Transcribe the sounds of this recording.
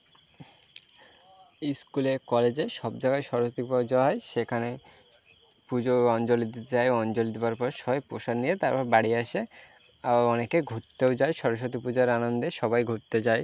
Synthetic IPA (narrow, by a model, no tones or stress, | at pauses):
iskuleɾkɔled͡ʑeʃɔb̚d͡ʑaɡajʃɔɾoʃot̪ipɔɾd͡ʑɔaeʃekʰane | pud͡ʑoɔnd͡ʑolit̪t͡ɕaeoɔnd͡ʑold̪ebaɾpɔɾʃɔjpoʃad̪nijet̪aɾpɔɾbaɽiaʃe | abaɔnekeɡʱoʈt̪eod͡ʑaeʃɔɾoʃ̬ot̪ipud͡ʑoeɾanond̪eʃɔbajɡʱoɾt̪et͡ɕae